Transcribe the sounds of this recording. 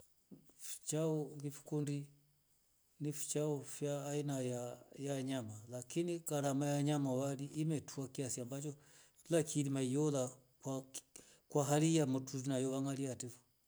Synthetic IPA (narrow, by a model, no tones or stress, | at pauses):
fi̥t͡ʃaɔvifu̥kundi | nifi̥t͡ʃaɔfjaːinajajaɲamalakinikaɾamajaɲamawaliʔːmɛtuakiasiambat͡ʃɔ | lakʰilimaijɔla | wa | kwaɦalijamɔtuzinajɔβaŋaliatifɔ